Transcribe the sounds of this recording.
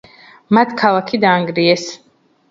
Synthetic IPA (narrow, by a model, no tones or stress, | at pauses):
mat̪ʰkʰalˠakʰid̪aːŋɡɾiɛs